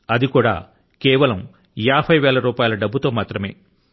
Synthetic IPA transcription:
ɐd̪ikuːɽa̰ː | keːʋɐlɐm | jaːbʰʱɐjʋɛːɭɐɾuːpaːjlɐɖɐbːut̪o̞ːmaːt̪ɾɐme̞̰ː

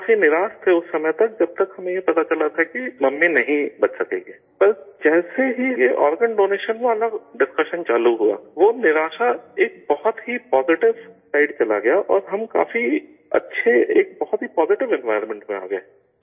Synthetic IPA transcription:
kaːfinɪɾaːst̪ʰeʊsːɐməjt̪ɐk̚d͡ʒɐb̚t̪ɐkɦɐmẽjepɐt̪at͡ʃɐlat̪ʰakimɐmːẽnɐɦĩbɐt͡ʃsɐkḛːŋɡeːpɐɾd͡ʒɛːseɦijeʔɔːɾɡəɳɖoːneːʃənanɐɖɪskɐʃənt͡ʃaːluɦua̰ːʋonɪɾaːʃaeːk̚bɐɦʊt̪ɦipɔːzɪʈɪʋsaːɪɖt͡ʃɐla̰ɡɐjaʔɔːɾɦɐmka̰ːfi | ɐ̰tːʃʰeeːk̚bɐɦɔt̪ɦipɔːzɪʈɪʋɛ̃nʋaːɪɾmɛ̃ɳʈmẽa̰ːɡɐja

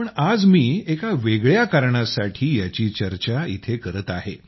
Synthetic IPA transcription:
pəɳad͡zmiːekaʋeɡɭjakaɾɳasaʈʰiːjat͡ɕiːt͡ɕəɾt͡ɕaḭt̪ʰekəɾət̪aɦḛ

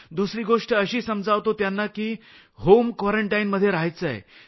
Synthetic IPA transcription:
d̪usɾiːɡoʂʈəəɕiːsəmd͡zaʋt̪ot̪janːakiː | ɦomkʋaɾəɳʈajnməd̪ʱjeɾaɦjt͡səḛ

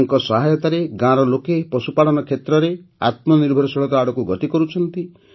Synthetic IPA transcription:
ŋkɔsɔɦajɔt̪aɾeɡãɾɔlokepɔsupalɔnɔkʰet̪ɾɔɾea̰t̪mɔniɾbʱɔɾɔsɔɽɔt̪ɔaɽɔkuɡɔt̪ikɔɾut͡ʃʰɔnt̪i

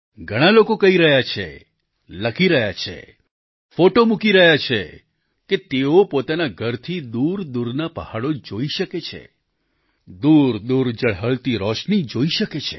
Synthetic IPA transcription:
ɡʱəɽ̃alokokəɦiɾəɦjat͡ʃʰḛ | ləkʰiɾəɦjat͡ʃʰḛ | foʈomukiɾəɦjat͡ʃʰḛ | ket̪eopot̪anaɡʱəɾt̪ʰid̪uɾd̪uɾnapəhaɽod͡ʒoiʃəket͡ʃʰḛ | d̪uɾd̪uɾd͡ʒəɽ̤ɦəlt̪iɾɔʃnid͡ʒoiʃəket͡ʃʰḛ

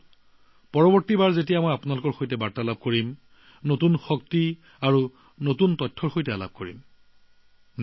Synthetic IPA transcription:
pɔɹɔbɔɹtibaɹzetijamojapunalʊkɔɹxojtɛbaɹtalab̚koɹim | notunxɔk̚ti | aɹu | notuntɔjtʰːɔɹxojtɛala̰b̚koɹḭm

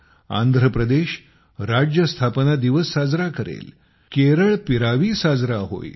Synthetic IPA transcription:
a̰nd̪ʱɾəpɾəd̪eɕ | ɾad͡ʑjəst̪ʰapnad̪iʋəsːad͡zɾakəɾḛl | keɾəɭpiɾaʋiːsad͡zɾaɦo̰j

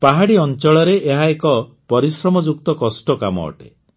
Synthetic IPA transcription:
paɦaɽiɔnt͡ʃɔɭɔɾeʔːɦaekɔ | pɔɾisɾɔmɔd͡ʒuk̚t̪ɔkɔsʈɔkamɔ̰ːʈḛ

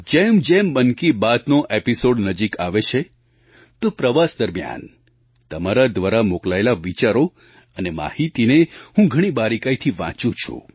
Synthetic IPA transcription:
d͡ʒemd͡ʒembənkibat̪noʔepisoɖnəd͡ʒikaʋet͡ʃʰe | t̪opɾəʋasd̪əɾmija̰n | t̪əmaɾad̪ʋaɾamoklaelaʋit͡ʃaɾo | ənema̰hit̪inehũɡʱəɽ̃ibaɾikait̪ʰiʋã̰t͡ʃũt͡ʃʰṵ̃

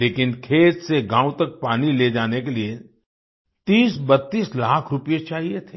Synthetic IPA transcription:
leːkɪnkʰeːd͡ʒseɡʱãːʊ̃t̪ɐk̚paːniled͡ʒaːnekelie | t̪iːsbɐt̪ːiːslaːkʰɾʊpijet͡ʃaːɦiet̪ʰeː

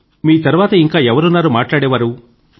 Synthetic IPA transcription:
miːt̪ɐɾuʋaːt̪ɐiŋkaːɛʋɐɾunːaːɾomaːʈlaːɽɛːʋaːɾu

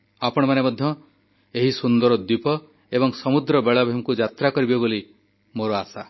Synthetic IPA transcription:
apɔɽ̃ɔmanemɔd̪ʱjɔ | eɦisund̪ɔɾɔd̪ipɔ | ebɔŋsɔmud̪ɾɔbeɭabʱimɔkud͡ʒat̪ɾakɔɾibeboli | moɾɔasa

